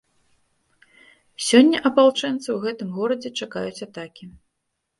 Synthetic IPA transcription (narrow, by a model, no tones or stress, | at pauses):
sʲɔnʲːɐʔɐpalˠt͡ʂɛnt̪sɨwɣɛt̪ɨmɣɔɾɐd͡zʲɛt͡ʂaka̰jut͡sʲat̪akʲi